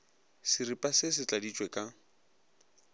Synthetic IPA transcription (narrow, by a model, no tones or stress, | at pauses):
sɪripʼasɪsɪt͡ɬʼadit͡ʃʼwɛkʼa